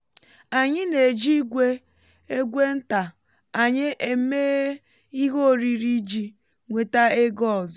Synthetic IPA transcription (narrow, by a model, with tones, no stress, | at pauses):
a˨ɲɪ˦ne˨d͡ʒi˦ɡʷe˦ | e˦ɡʷe˦n̩˦ta˨ | a˨ɲɪ˦ʔe˨me˦ | i˦ɦo˦˨ɾi˨ɾi˦d͡ʒi˦ | ŋʷe˨ta˦e˦ɡɔ˦˨zɔ˨